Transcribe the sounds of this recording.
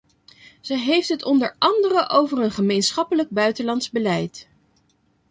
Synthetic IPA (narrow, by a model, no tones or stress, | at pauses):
z̥əɦejftɦətɔndəɹɑndərəʔowvəɹənχəmejnsχɑpələɡ̚bœɥtəlɑnzbəlɛjt